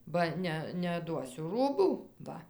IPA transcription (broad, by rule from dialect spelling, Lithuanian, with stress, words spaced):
bɐ ˈnʲɛ nʲɛɐdˈduɔsʲʊ ˈruːbuː ˈʋɐ